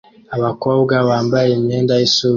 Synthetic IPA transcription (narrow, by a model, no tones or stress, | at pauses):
awakɔɡawambaɛmɛndaisu